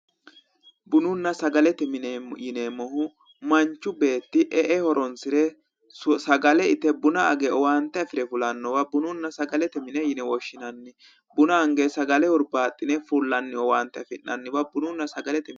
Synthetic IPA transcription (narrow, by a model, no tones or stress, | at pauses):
bʊnʊnːɐsɐɡɐlɛt̪ɛjɪnemɔhʊ | mɐnt͡ʃːʊbe̞ːt̪ːɪʔɛʔɛhɔɾɔnsɪɾɛ | sɐɡɐlɛɪt̪ɛbʊnɐɐɡɛɔwaːnt̪ːɛɐfɪɾɛfʊlɐnːɔwɐbʊnʊnːɐsɐɡɐlɛt̪ɛmɪnɛjɪnɛwɔʃːɪnɐnːɪ | bʊnɐɐŋɡesɐɡɐlɛhʊɾbaːt̪ʼːɪnɛfulːɐnːɪɔwaːnt̪ːɛɐfɪnːɐnːɪwɐbʊnʊnːɐsɐɡɐlɛt̪ɛ